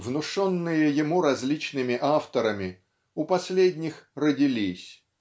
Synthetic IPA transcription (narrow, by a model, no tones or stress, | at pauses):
vnʊʂonːɨjəjɪmuɾɐzʲlʲit͡ɕnɨmʲɪʔaft̪əɾəmʲɪ | ʊpɐsʲlʲedʲnʲɪxrədʲɪlʲisʲ